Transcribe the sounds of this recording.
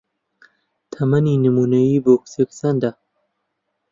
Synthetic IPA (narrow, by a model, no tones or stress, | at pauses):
t̪ʰɐmɐninəmunɐibokseksɐnd̪a